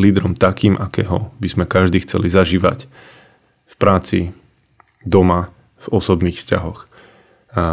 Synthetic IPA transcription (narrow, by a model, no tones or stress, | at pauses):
liːd̪ɾɔmt̪akiːmʔakɛːɦɔbizmɛkaʒd̪iːxt͡sɛ̰lizaʒiːʋa̰c | fpɾaːt͡sḭ | d̪ɔma | v̥ɔsɔbniːxfsca̰ɦɔx